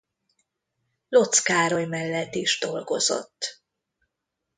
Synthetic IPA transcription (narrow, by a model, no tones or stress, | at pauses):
lo̞t̪skaːɾojmɛlːɛt̪ːiʒd̪o̞lɡo̞zo̞̰t̪ː